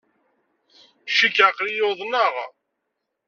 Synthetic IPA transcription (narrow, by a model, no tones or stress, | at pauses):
ʃikːʕaqlijoðˤnəʁ